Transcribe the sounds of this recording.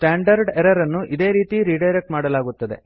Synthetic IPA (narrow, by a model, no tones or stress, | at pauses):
sʈaːɳɖɐɾɖeɾɐɾɐnːuʔid̪e̞ːɾiːt̪iɾiːɖɐjɾek̚ʈmaːɽɐlaːɡut̪ːɐd̪e̞̰